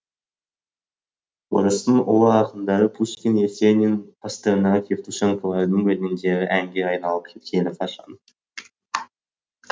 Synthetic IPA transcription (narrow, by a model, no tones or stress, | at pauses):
wo̰ɾəst̪əɴʔolˠəɑqənd̪ɑʁəpʰuʃkʲinesʲenʲinpʰast̪eɾnɑʁəkʲʰeɾt̪uʃeŋkolˠɑɾd̪əŋwɵlɪnd̪e̞ɾʲɪʔæŋɡʲe̞ɑjnɑlˠəp̚kʲʰe̞t̪kʲʰe̞lɪfʰɑʃɑ̰n